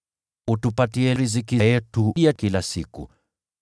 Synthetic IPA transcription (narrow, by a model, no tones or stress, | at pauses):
utupatiɛɾizikijɛtuakilasikṵ